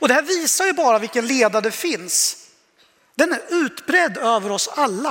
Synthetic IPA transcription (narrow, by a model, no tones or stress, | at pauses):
ɔd̪ɛhæːɾviːsajɵbɑːɾavɪlkːənleːd̪ad̪ɛfɪns | d̪ɛnæɾʉ̟ːt̪bɾɛd̪ːøːvəɾɔsalːa